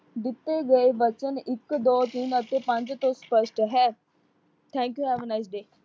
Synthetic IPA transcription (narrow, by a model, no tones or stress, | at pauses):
d̪ɪt̪ːeːɡəeːʋət͡ʃənɪkd̪oːt̪ɪnət̪eːpə̃ɲd͡ʒt̪õːspəʃʈɦɛː | t̪ʰɛ̃ːŋkjuːɦɛːʋənaɪs̬ɖeː